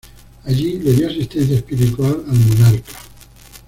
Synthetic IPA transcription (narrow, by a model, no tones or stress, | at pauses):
aʎiβenioasist̪ɛnθjaspiɾit̪ualalmonaɾkḁ